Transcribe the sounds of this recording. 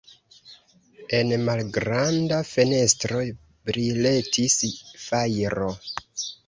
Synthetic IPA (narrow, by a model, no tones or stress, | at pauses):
e̞nmalɡɾandafe̞ne̞stɾo̞ | bɾile̞tʰisfajɾo